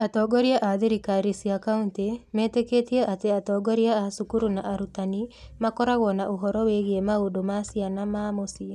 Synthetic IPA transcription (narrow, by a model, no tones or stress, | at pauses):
atɔːɡɔɾjaʔaðiɾikaɾisiakauntemeːteketieʔateatɔːɡɔɾiaasukuɾunaʔaɾutanimakɔɾaɣwɔnaʔoɦɔɾɔweɣiemaodomasianamamosia